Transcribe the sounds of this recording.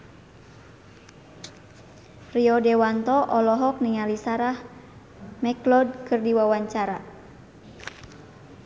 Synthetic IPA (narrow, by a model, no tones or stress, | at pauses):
riɔdɛwant̪ɔʔɔlɔɦɔk̚niŋalisaɾah | mɛklɔd̚kɨrdiwawaɲt͡ʃaɾa